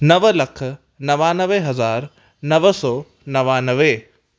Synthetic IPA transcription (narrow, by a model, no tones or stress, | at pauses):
nɐʋəlɐkʰ | nɐʋaːnɐʋeɦɐzaːɾ | nɐʋəsɔː | nɐʋanɐʋe